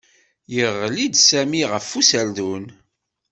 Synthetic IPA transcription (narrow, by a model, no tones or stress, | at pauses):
jəʁːlid̪sæmiʁəfːusæld̪un